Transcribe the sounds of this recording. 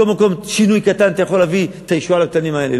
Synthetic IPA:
olmako̞mʃinujkat̪ant̪ajaχo̞lːavit̪ajeʃualak̚t̪animae̞le

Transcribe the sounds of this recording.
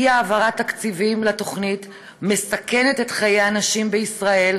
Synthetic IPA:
iaːvaʁat̪akt͡sivimlato̞χnit | me̞sake̞netetχajeanaʃimbeisʁae̞l

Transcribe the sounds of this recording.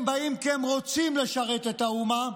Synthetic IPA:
mbaimkemʁo̞t͡simle̞ʃaʁe̞t̪e̞t̪auma

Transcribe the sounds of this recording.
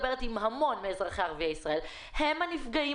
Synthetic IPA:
beʁetimhamo̞nmeezeχeaʁviaisʁɐe̞l | hemanifɡai

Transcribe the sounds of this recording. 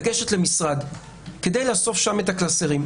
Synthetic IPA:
ɡeʃetle̞misʁad̪ | ke̞d̪e̞jlaso̞fʃame̞taklaseʁim

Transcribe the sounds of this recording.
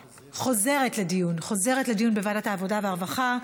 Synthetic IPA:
χo̞ze̞ʁetledijunχo̞ze̞ʁetledijunbevadataːvo̞daveaʁvaχa

